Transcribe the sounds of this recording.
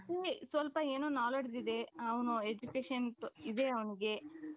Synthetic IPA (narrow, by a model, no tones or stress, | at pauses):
t̪esʋɐlpɐeːnoːnaːlɐɽid̪id̪e̞ɐʋɐnued͡ʒukeːʂɐntid̪e̞ɐʋɐniɡe̞